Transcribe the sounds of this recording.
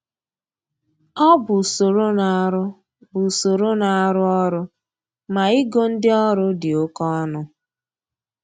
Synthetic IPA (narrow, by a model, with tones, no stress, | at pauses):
ɔ˦bʊ˨so˨ɾo˦na˨˦ɾʊ˦ | bʊ˨so˨ɾo˦na˨a˦ɾʊ˦ɔ˦ɾʊ˦ | ma˨i˦ɡo˦n̩˦dɪ˦ɔ˦ɾʊ˦dɪ˨o˦kɔ˦nʊ˦